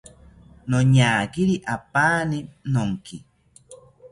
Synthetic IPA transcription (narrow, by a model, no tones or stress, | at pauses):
noɲaːkiɾiʔapaːninoŋki